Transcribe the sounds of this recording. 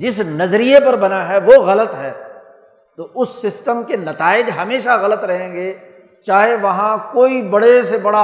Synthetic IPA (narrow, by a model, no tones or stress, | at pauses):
d͡ʒɪsnɐzɾijepɐɾbɐnaɦɛʋoɣɐlət̪ɦɛː | t̪oʔʊsːɪsʈəmkenɐt̪aːɪd͡ʒɦɐmeːʃaɣɐlət̪ɾɐɦẽːɡeː | t͡ʃaːɦeʋɐɦãkoːibɐɽesebɐɽa